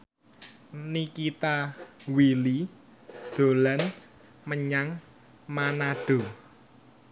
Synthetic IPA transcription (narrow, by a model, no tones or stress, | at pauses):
nikit̪awili | d̪̥o̤lan | məɲaŋ | manaɖ̥o̤